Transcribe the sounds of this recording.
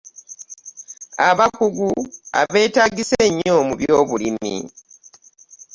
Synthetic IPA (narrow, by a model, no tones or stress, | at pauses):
aβakuɡua̰βe̞ːtaːɡiseɲːo̞muβjo̞ːβulimḭ